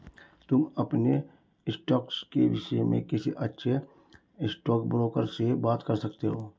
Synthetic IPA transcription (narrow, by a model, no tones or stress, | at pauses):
t̪ʊmɐpne | ɪsʈɔːkskeʋɪʃəmẽkɪsiʔɐtːʃʰe | ɪsʈɔːk̚bɾoːkəɾsebaːt̪kəɾsɐkt̪eɦoː